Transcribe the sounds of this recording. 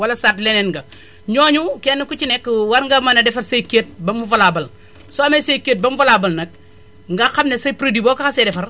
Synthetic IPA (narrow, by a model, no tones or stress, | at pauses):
walasat̬lenenɡa | ɲoːɲukenukut͡ʃinekːəwaɾŋɡamanadefaɾsaiket̚bamuvalabɐl | soamesejkeːt̚bamvalaːbɐlnɐk̚ | ŋɡaxamnesajpɾodibokakasedefaɾ